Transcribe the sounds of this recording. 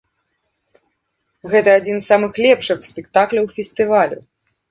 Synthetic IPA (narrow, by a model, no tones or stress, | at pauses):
ɣɛt̪ɐːd͡zʲinsːamɨxlʲɛpʂɨxspʲɛkt̪aklʲɐwfʲɛst̪ɨvalʲṵ